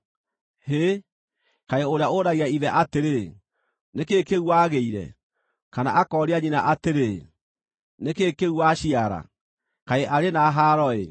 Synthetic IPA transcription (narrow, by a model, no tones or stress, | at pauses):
he | kaeoɾeaoɾaiaiðɛʔateɾe | nekekeɣwaɣeiɾɛ̰ | kana̰ʔakɔɾeaɲinaʔateɾe | nekekeɣwaɕiaɾa̰ | kaeʔaɾenaɦaɾɔḛ